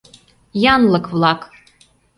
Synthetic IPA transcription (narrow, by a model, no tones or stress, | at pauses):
jɑnlˠɤkvlˠɑk